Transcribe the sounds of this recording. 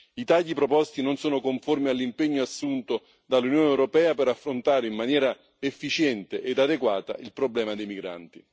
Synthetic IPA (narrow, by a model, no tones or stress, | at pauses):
it̪aʎːipɾopɔst̪inonsoːnokoɱformialːimpeɲːoasːunt̪o | d̪alːunjoːnɛwɾopɛːapɛɾafːɾont̪aːɾeinmanjɛːɾa | efːit͡ʃɛnt̪eʔed̪ad̪ekwaːt̪a̰ʔilpɾoblɛːmad̪ejmiɡɾa̰nt̪i